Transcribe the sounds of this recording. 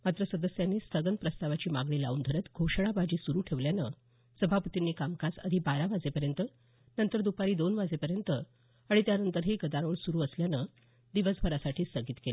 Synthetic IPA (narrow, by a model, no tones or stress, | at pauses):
mat̪ɾəsəd̪əsjanːiːst̪ʰəɡənpɾəst̪aʋat͡ɕiːmaɡɳiːla̰uːnd̪ʱəɾət̪ɡʱowʂəɭ̃abad͡ʑiːsuɾuːʈʰeʋljanə | səbʱapət̪inːiːkamkasə̰d̪ʱibaɾaʋad͡zepəɾjənt̪ə | nənt̪əɾd̪upaɾiːd̪onʋad͡zepəɾjənt̪ə | aɽ̃it̪janənt̪əɾɦeɡəd̪aɾoːɳsuɾuːəsljanə | d̪iʋəsbʱəɾasaʈʰiːst̪əɡiːt̪kela